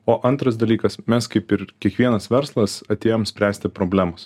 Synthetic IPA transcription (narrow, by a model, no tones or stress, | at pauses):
oːʔɐnt̪ɾɐsd̪ɐlʲiːkɐsmʲɛskɐɪpɪɾkʲiɛkʋʲiɛnɐsʋʲɛɾslˠɐsɐt̪ʲeːjoːmsʲpʲɾʲæːsʲt̪ʲɪpɾoːbʲlʲæːmoːs